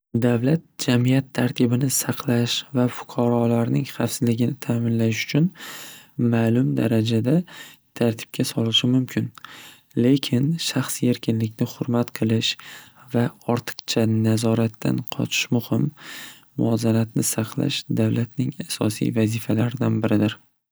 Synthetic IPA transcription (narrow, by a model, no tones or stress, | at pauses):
d̪avlat̪̚d͡ʒamijat̪ʰːaɾt̪ʰɪbɪnɪsɑqlˠaʃvafʊ̥qʰɑɾɒlaɾnɪŋχɑfsɪzlɪɡʲɪnɪt̪ʰaːmɪnlaʃʊ̥t͡ʃʰʊn | maːlʊmd̪a̰ɾad͡ʒad̪at̪ʰaɾt̪ʰɪ̥b̚kʲʰasɒlɪʃɪmʊmkʲʰɪn | le̞kʲʰɪnʃaχse̞ɾkʲʰɪnlɪkʲnɪχʊɾmat̪qʰɨlˠɪʃvaɒɾt̪ʰɨ̥qt͡ʃʰanazɒɾat̪ʰːa̰nqʰɒ̰t͡ʃʰɪ̥ʃmʊhɪmː | ʊɒzanat̪̚nɪsɑqʰla̰ʃd̪awlat̪nɪŋasɒ̰sḭvazɪfalaɾɪd̪anbɪɾɪd̪ɪɾ